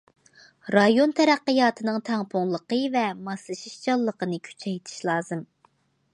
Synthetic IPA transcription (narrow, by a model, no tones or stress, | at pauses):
ɾɑjont̪ʰɛɾæqːəjɑːt̪ʰɨnɨŋt̪ʰæŋpʰʊŋlˠəqəvɛmɑsˠɨʃiʃt͡ʃɑlˠːəqənɨkʲʰy̥t͡ʃʰɛjt̪ʰi̥ʃlˠɑːzɨm